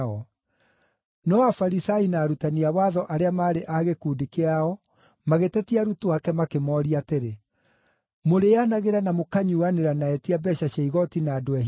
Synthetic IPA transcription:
ɔ | nɔafaɾisainaɾutaniawaːðɔʔaɾeamaːɾeʔaɣekuːdikeaɔ | maɣetɛtiaɾutuwakɛmakemɔːɾiateɾe | moɾeanaɣeɾanamokaɲuaneɾanaɛtiabɛɕaɕaiɣɔtinaːdoɛ

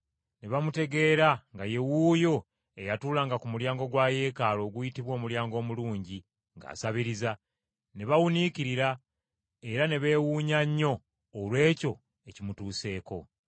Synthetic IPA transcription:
ne̞βamute̞ɡe̞ːɾaŋɡaje̞wuːjo̞ | e̞jatuːlaːŋɡakumuljaːŋɡo̞ɡwaːje̞ːkalo̞ːɡujitiβwo̞ːmuljaːŋɡo̞ːmuluːɲɟi | ŋɡa̰ːsaβiɾiza | ne̞βawuniciɾiɾa | e̞ɾane̞βe̞ːwuːɲaɲːo̞ː | lwe̞ːco̞ | e̞cimutuːse̞ːko̞̰

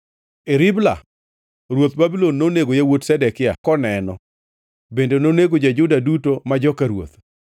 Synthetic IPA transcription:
eɾɪbla̰ | ɾwot̪babilonːoneɡojawotsɛdɛkɪa̰kɔnɛnɔ | bendenoneɡod͡ʒad͡ʒʊdadutomad͡ʒɔkaɾwo̰t̪

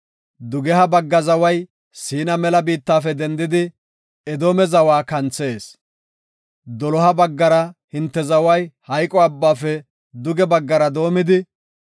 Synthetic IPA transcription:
d̪ʊɡɛɦɐbɐɡːɐzɐwɐj | siːnɐmɛlɐbiːt̪ːaːfɛd̪ɛnd̪ɪd̪ɪ | ɛd̪oːmɛzɐwaːkɐnt͡se̞ːs | d̪ɔlɔɦɐbɐɡːɐɾɐhɪnt̪ːɛzɐwɐjhɐjkʼɔɐbːaːfɛ | d̪ʊɡɛbɐɡːɐɾɐd̪o̞ːmɪd̪ɪ

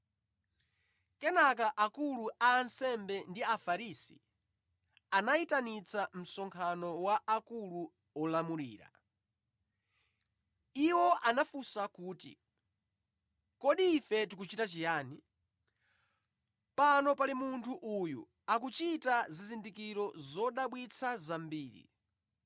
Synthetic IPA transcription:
kɛnakaʔakuluʔaːnsɛmbɛndiafaɾisḭ | anaitanit͡sam̩sɔŋkʰanɔwaʔakulu | ɔlamuɾḭːɾa̰ | iwɔʔanafusakuːtḭ | kɔɗiːfɛtik̬ut͡ʃitat͡ʃijaːni | panɔpalimuntʰuʔujṵ | ak̬ut͡ʃitazizindikiɾɔzɔɗaɓwit͡sʰazambiːɾḭ

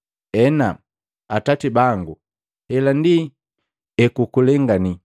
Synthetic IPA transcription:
ɛna | atatibaŋɡu | hɛlandi | ɛkukulɛŋɡani

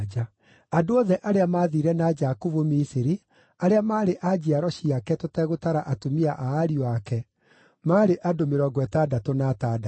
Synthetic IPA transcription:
d͡ʒa | adoɔðɛʔaɾeamaːðiɾɛnad͡ʒakovomisiɾi | aɾeamaːɾeʔad͡ʑiaɾɔɕiakɛtotɛɣotaɾaʔatomiaʔaːɾioakɛ | maːɾeʔadomeɾɔɡwɛtadatonatada

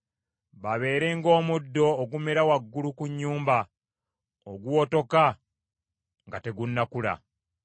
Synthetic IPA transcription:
βaβe̞ːɾe̞ŋɡo̞ːmudːo̞ːɡumeɾawaɡːulukuɲːuːmba | oɡuwo̞to̞ka | ŋɡate̞ɡunːakula̰

